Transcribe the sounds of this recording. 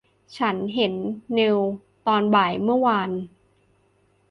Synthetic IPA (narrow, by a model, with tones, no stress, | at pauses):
t͡ɕʰa˦˥nɦe˩˦nːe˧w | t̪ɔː˧nbaː˨˩jmɯ˥˩ɐwaː˧n